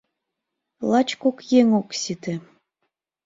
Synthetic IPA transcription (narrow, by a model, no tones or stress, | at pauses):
lˠɑt͡ɕkokjeŋoksit̪ĕ